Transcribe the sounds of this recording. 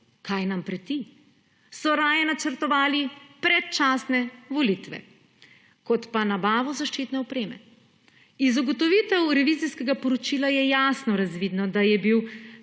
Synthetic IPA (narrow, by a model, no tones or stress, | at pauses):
kajnampɾɛt̪i | sɔɾaːjɛnat͡ʃəɾt̪ɔʋaːlipɾɛt̪t͡ʃaːsnɛʋɔlit̪ʋɛ̰ | kɔt̪panabaːʋɔzaʃt͡ʃit̪nɛɔpɾeːmɛ̰ | izuɡɔt̪ɔʋit̪ɛwɾɛʋiziskɛɡapɔɾɔt͡ʃiːlajɛjasnɔɾazʋiːd̪nɔd̪ajɛbiw